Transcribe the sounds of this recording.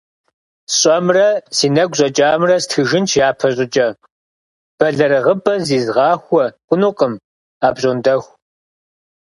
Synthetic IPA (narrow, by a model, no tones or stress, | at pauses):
ɕʼɐmrɐsiːnɐɡʷɕʼɐt͡ʃʼaːmrɐstʰxɨʒɪnt͡ʃʰjaːpʰɐɕʼɪt͡ʃʼɐ | b̥ɐɮɐɾɐʁəbɐziːzʁɑːxʷɔqʷʼʊnuqʼəm | aːbɕʼondɐxʷ